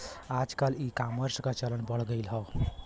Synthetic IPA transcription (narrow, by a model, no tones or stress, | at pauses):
ad͡ʒkalikaməɾskat͡ʃələnbəɽɡəɪlɦɔ